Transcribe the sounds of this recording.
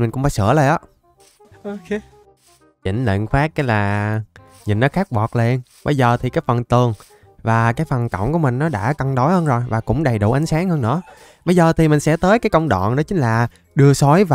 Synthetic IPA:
mï̟˨˩kʊ̰˧˥ŋ͡mfaː˧˦jsɨ̰˧˥ələ˨˩jʔəː˨˦ | ʔo˨˩ke˨˧ | t͡ɕḭ˧˩ŋlḛ˧˨nxwaː˦˥k̚kaː˨˦jlaː˨˩ | ɲḭ˨˩n̟ːɔ˨˦xaː˦˥k̚ɓɔ˨˩t̚le˧n | ɓə̰˨˦jzəː˨˩t̪ʰi˨˩kaː˨˦˥jfə˨˩nt̪ɨ˨˩əŋ | vaː˨˩kaː˨˦jfə˨˩nkə̰˧˩wŋ͡mku˧˩əmï˨˩ŋ̟nɔ˨˦ɗa̰ː˧˥kə˧ŋɗo˨˦jhəː˧nzo˨˩jvaː˨˩kʊ̰˧˥ŋ͡mɗə˨˩jɗṵ˧˩ʔa˨˦ŋ̟saː˨˦ŋhəː˧nɨ̰˧˥ə | ɓə˨˦jzəː˨˩t̪ʰi˨˩mï˩ŋ̟sɛ̰˧˥t̪əː˨˦jkaː˨˦jkə˧wŋ͡mɗɔ̰˧˨nnɔ˨˦t͡ɕï˨˦ŋ̟laː˨˩ | ɗɨ˧əsɔ˨˦jva

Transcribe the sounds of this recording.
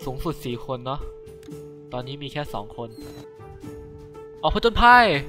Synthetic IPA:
suː˩˦ŋsu˨˩t̪̚siː˨˩kʰo˧nːɔ˦˥ | t̪ɔː˧nːiː˦˥miː˧kʰɛː˥˩sɔ̰ː˩˦ŋkʰo˧n | ʔɔː˨˩pʰːt͡ɕo˧npʰa˧˥˩j

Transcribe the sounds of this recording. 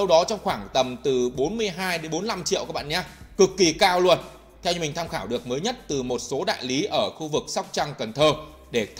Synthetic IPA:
ə˧wɗɔ˨˦t͡ɕɔ˧wŋ͡mxwaː˧˩ŋt̪ə˨˩mt̪ɨ˨˩ɓo˨˦nmɨ˧əjɦaː˧jɗe˨˦nɓo˨˦nla˧mt͡ɕḭ˧˨əwkaː˦˥kɓa̰ː˧˨˩ɲaː˧kɨ˨˩kːi˨˩kaː˧˩wlu˧ən | t̪ʰɛ˧wmï˨˩ŋ̟t̪ʰːmxaː˧˩wɗɨ˨˩ək̚məː˨˦jɲə˦˥t̚t̪ɨ˨˩mo˨˩t̚so˨˦ɗa̰ː˧˨jli˨˦ʔəː˧˩xu˧vɨ˨˩k̚sa˦˥wk͡p̚t͡ɕa˧ŋkə˨˩nt̪ʰəː˧ | ɗe˧˩t̪

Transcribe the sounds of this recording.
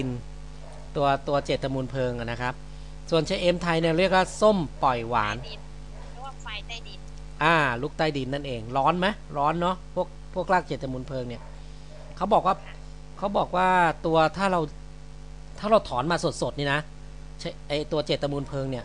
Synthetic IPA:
i˧n | t̪u˧ɐt̪u˧ɐt͡ɕeː˨˩t̪ːa˧muː˧npʰɤː˧ŋʔa˨˩na˦˥kʰa˦˥p̚ | su˨˩ənt͡ɕʰa˧˦˥jʔeː˦˥mt̪ʰa˧jni˥˩ɐɾi˥˩ək̚waː˥˩so˥˩mpɔ˨˩jwa̰ː˨˩˦n˧˨ | ʔaː˧˩lu˦˥k̚t̪a˧jdi˨˩nːa˥˩nʔeː˧ŋɾɔː˦˥nma˦˥j | ɾɔː˦˥nːɔ˦˥pʰu˥˩ək̚pʰu˥˩ək̚laː˥˩k̚t͡ɕeː˨˩t̪ʰːa˧muː˧npʰɤː˧ŋni˥˩ɐ | kʰa˦˥wbɔː˨˩k̚waː˥˩ | kʰa˦˥wbɔː˨˩k̚waː˥˩t̪u˧ɐt̪ʰaː˥˩ɾa˧w | t̪ʰaː˥˩ɾa˧wt̪ʰɔː˩˦nmaː˧su˨˩t̪̚so˨˩t̪̚niː˥˩na˦˥ | t͡ɕʰʔa˧jt̪u˧ɐt͡ɕeː˨˩t̪ʰːa˧muː˧npʰɤː˧ŋni˥˩ɐ

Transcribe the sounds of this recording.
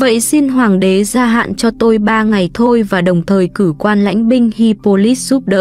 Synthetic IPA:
və̰˧˨jsi˧nɦwaː˨˩ŋɗe˨˦zaː˧ɦa̰ː˧˨nt͡ɕɔ˧t̪o˧jɓaː˧ŋa˨˩jt̪ʰo˧jvaː˨˩ɗə˨˩wŋ͡mt̪ʰəː˨˩jkɨ˧˩kwaː˧nla̰˧˥jŋ̟ɓï˧ŋ̟hi˧po˧li˦˥t̚z̥u˦˥p̚ɗə̰ː˧˥

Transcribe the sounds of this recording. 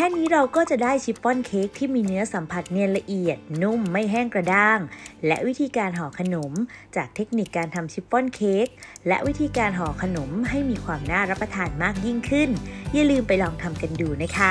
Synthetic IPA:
kʰɛː˥˩niː˦˥ɾa˧wkɔː˥˩t͡ɕa˨˩daː˥˩jt͡ɕʰi˦˥p̚pɔ˥˩nkʰeː˦˥k̚t̪ʰiː˥˩miː˧nɯ˦˥ɐsa˩˦mpʰa˧˩t̪̚nɛ˧ənla˧ʔi˨˩ət̪̚nu˥˩mːa˥˩jɦɛː˥˩ŋkɾa˧daː˥˩ŋlɛ˦˥ʔwi˦˥t̪ʰiː˧kaː˧nɦɔː˩˦kʰa˧no˩˦mt͡ɕaː˨˩k̚t̪ʰe˦˥k̚ni˨˩kːaː˧nt̪ʰa˧mt͡ɕʰi˦˥p̚pɔ˥˩nkʰeː˦˥k̚lɛ̰˦˥ʔwi˦˥t̪ʰiː˧kaː˧nɦɔː˩˦kʰa˧no˩˦mɦa˥˩jmiː˧kʰwaː˧mnaː˥˩ɾa˦˥pːɾa˧t̪ʰaː˧nmaː˥˩k̚ji˥˩ŋkʰɯ˥˩nja˧˩lɯː˧mpa˧jlɔː˧ŋt̪ʰa˧mka˧nduː˧na˦˥jkʰa˦˥˩

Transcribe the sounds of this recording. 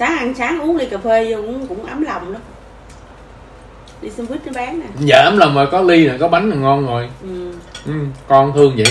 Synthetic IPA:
saː˨˦ʔa˧˩ŋsaː˨˦ŋʔu˨˦əŋɗi˧kaː˨˩p̚feː˧zo˧˨kʊ̰˧˥ŋ͡mʔaː˨˦mla˨˩wŋ͡mnə˨˦ | ɗi˧sə˧vi˦˥t̚nɔ˧˦ɓaː˨˦ŋnaː˨˩˨za̰ː˧˩ʔaː˨˦mla˨˩wŋ͡mɔ˨˩jkɔ˨˦li˧na˨˩kɔ˨˦ɓa˨˦ŋa˨˩ŋɔ˧nzo˨˩jʔɨ˨˩ʔɨ˨˩mkɔ˧nt̪ʰɨ˧əŋzə̰˧˨j

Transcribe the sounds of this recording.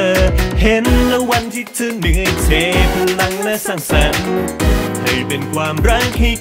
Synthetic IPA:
he˨˦nlɛ˧˥wa˧nt̪ʰi˧˥t̪ʰɯ˧˩nɯ˨˦ə˧˩jt̪ʰe˨˦pʰɯː˧˥la˧˥ŋna˦˧˥sa˧˩ŋsa˨˩ | hʰa˧˩jpe˧nkʰwaː˧mɾa˦˥k̚hi˧

